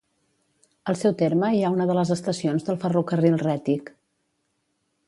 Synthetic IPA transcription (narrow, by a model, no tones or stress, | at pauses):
əlˠsɛwt̪eɾməiaunəðələzəst̪əsionzðəlˠfərukərilˠrɛt̪ik